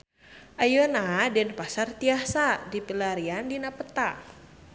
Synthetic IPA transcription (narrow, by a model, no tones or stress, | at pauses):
ʔajonadɛnpasart̪iahsadipilaɾiandinapət̪a